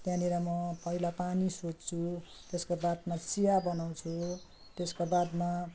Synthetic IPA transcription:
t̪jãniɾʌmʌpʌɦilapanisod͡zt͡sʰu | t̪eskabad̪mat͡sijabʌnaw̃t͡sʰu | t̪eskabad̪ma

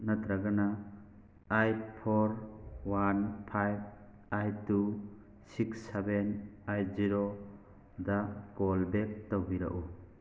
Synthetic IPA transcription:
nɐt̪ɾaɡana | ajpʰoɾwanpʰajb̚ | ajtu | siksebenajziɾo | daɡolbek̚tawbiɾa̰ʔu

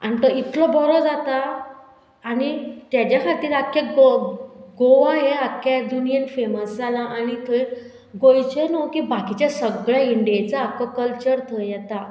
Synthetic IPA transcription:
anit̪əit̪lɔbʱɔɾɔd͡zat̪aː | nit̪jat͡ɕakʰat̪iːɾakjaɡoɡoʋaɦeakjad̪unijənfeməsd͡zalaʔañit̪ʰəɾ | ɡojt͡ɕenokibakit͡ɕjasəɡɭjaiɳɖijet͡saːkəkəlt͡ɕəɾt̪ʰəjɛt̪a

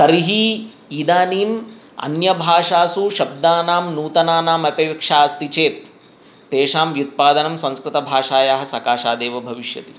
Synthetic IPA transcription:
t̪ɐɾiɦi | id̪aːniːm | ɐ̰njɐbʱaːʂaːsuʃɐb̚d̪aːnaːmnuːt̪ɐnaːnaːmɐpɐʋkʂaːɐst̪it͡ʃeːt̪̚ː | eːʂaːmʋjut̪̚paːd̪ɐnɐmsɐ̃nskɾɪt̪ɐbʱaːʂaːjaːɦɐ̆sɐkaːʂaːd̪eːʋɐbʱɐʋiʃjɐ̰t̪i̥

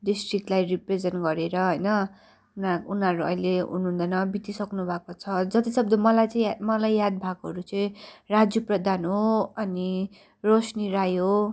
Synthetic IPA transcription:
ɖisʈrik̚lajripred͡zenɡʌɾeɾʌɦʌjnʌ | unaunɦʌɾuʌ̰jleɦṵnuɦũnd̪ʌnʌbit̪isʌknubʱakot͡sʰʌd͡zʌt̪isʌb̚d̪ʌmʌlajt͡sʌimʌlajːad̪̚bʱakɦʌ̰ɾut͡sʌĩrad͡zjuprʌd̪ʱanɦoʌni | rosniɾajɦo

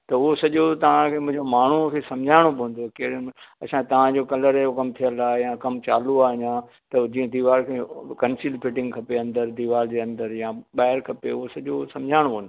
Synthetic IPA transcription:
t̪ɐʊɦosɐʄot̪ɐʋ̤ãkʰeːmʊ̃ɦɪ̃ɲd͡ʑomaːɳ̤ukʰesɐ̃md͡ʑʱaːɪɽ̃obõːn̆d̪okeɪɽɐsãt̪ɐʋ̤ãd͡ʑoːkɐləɾjokɐmt̪ʰijəlaːejãkɐmt͡ɕa̰ːluaːɦĩã | t̪ɐd͡ʑiːə̃d̪iːʋaːlkʰekɐnsilpʰɪʈɪ̃ŋɡkʰɐpeɐ̃nd̪əɾd̪iːʋaːld͡ʑeːɐ̃nd̪əɾjãɓaːɪɾkʰɐpeʊɦosɐʄosɐ̃md͡ʑʱaːɽ̃obõːnd̪oo

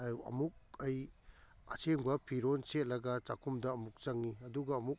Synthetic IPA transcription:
ɐ̰muk̚ɐj | ɐseŋbɐpʰiɾonset̚lɐɡɐt͡ʃakʰumdɐːmuk̚t͡ʃɐŋːiɐduɡɐːmuk̚

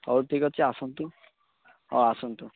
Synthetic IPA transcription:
ɔwɾʈʰikɔt͡ʃʰiasɔnt̪u | ɔasunt̪u

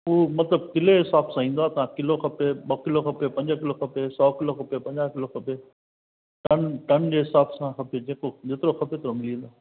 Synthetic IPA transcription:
ɦuːmɐt̪ləb̚kɪleɦɪsaːbsãːĩːn̆d̪oaːt̪ɐãkɪloxɐpeɓɐkɪloxɐpepɐ̃ɲd͡ʑkɪloxɐpesɔːkɪloxɐpepɐ̃ɲd͡ʑaːɦkɪloxɐpe | ʈɐnʈɐnd͡ʑeːɦɪsaːbsãxɐped͡ʑeːkod͡ʑeːt̪ɪɾoxɐpet̪ɪɾomɪlĩnd̪oaː

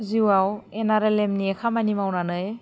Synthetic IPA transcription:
ziwawenaɾelemniekʰamanimawnanɯj

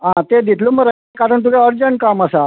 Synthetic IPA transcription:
ɦãt̪ed̪it̪ʰluːməɾəekaɾəɳt̪̬uʋaəɾd͡ʑəɳʈkaməsa

